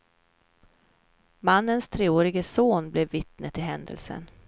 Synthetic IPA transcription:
manːənst̪ʰɾeːoːɾɪɡəsoːnblɛvːɪt̪nət̪ɪɦɛnd̪ə̰lsə̰n

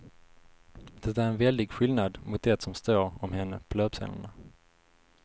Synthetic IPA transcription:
d̪̥ɛt̪æːɾɛnvɛld̪ɪɡɧɪlnad̪mʊt̪̚d̪ɛt̪sɔmst̪oːɾɔmhɛnːəpʰɔlœːbsɛ̰nə̰ɳa

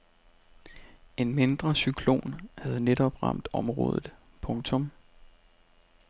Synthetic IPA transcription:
e̝nme̝nd̥ʁɐsykʰlo̝̰ːnhæð̞̩ˠned̥ɒ̽b̥ʁɑ̈m̰d̥ɒ̽mʁɔ̰̽ːð̞ˠð̩ˠ | pʰɔ̽ŋt͡sʰɔ̽m

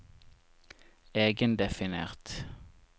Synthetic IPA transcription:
eːɡənd̪ɛfɪneːʁt̪

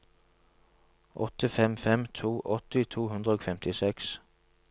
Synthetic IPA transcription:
ʔɔt̪əfɛmfɛmt̪ʰuːʔɔt̪ɪt̪ʰuːɦʉnd̪ʁəoːfɛmt̪ʰɪsɛks

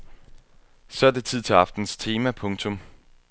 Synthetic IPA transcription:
sɒ̽æɐd̥e̝t͡sʰið̞̰ˠt͡sʰe̝ɑ̈fd̥n̩st͡sʰe̝ːmæpʰɔ̽ŋt͡sʰɔ̽m

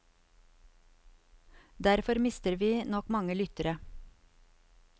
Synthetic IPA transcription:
d̪æɾfɔɾmɪst̪əɾʋiːnɔkmɑŋəlʏt̪əɾə

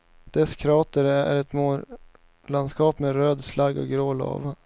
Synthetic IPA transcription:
d̪̥ɛskʰɾɑːt̪əɾæ̰ɾɛt̪moː | land̪skɑːpmeɾøːd̪slaɡɔ̰ɡɾoːlɑ̰ːva

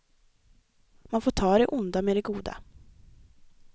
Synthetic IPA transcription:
manfoːʈʰɑːd̪ɛʔʊnd̪amɛd̪ɛɡuːd̪a̰

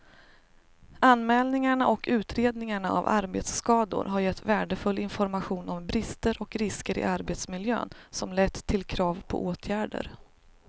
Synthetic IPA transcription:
anːmɛːlnɪŋaɳaʔɔkʰʉ̟ːt̪ʰɾeːd̪nɪŋaɳaa̰va̰ɾbḛːt̪sːkɑːd̪ʊ̰ɾɦaɾjɛt̪ːvæːɖəfɵlːɪnfɔɾmaɧuːnɔmbɾɪst̪əɾɔkɾɪskəɾɪ̰ʔaɾbeːt̪smɪljø̰ːnsɔmlɛt̪ʰːɪlkʰɾɑːvpʰɔ̰ʔoːt̪ʰjæːɖə̰ɾ

